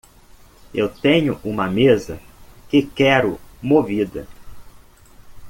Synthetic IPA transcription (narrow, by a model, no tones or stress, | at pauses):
ewt̪ẽɲʊʔũmɐmezɐkɪkɛɾʊmovid̪ɐ̰